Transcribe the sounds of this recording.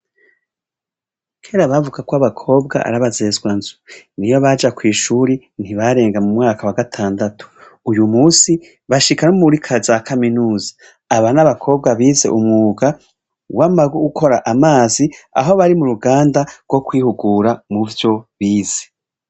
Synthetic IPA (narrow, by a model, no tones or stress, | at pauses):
kʰeːɾaβavuɡakoaβakʰo̞ːbɡa̰ʔa̰ɾaβaze̞zɡwanzunijoβad͡ʒakwiːʃuːɾi | n̥hiβaɾe̞ːŋɡamumŋaːkawaɡatʰaːndatʰu̥ː | jumuːsi | βaʃikanomuɾikʰazakʰaminuːzḁː | βanaβakʰo̞ːb̚ɡaβiːze̞̰ʔumŋuːɡa | wamaɡuɡukʰo̞ɾaʔamaːzia̰ɦo̞βaɾimuɾuɡaːndaɾɡ̥wo̞kwiːhuɡuːɾamuvjo̞βiːz̥e̥